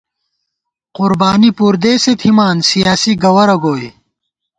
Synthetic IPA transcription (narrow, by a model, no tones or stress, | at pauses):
qʊɾbaːnipuːɾd̪eːset̪ʰimaːnsijaːsiɡɐwɐɾɐɡoːj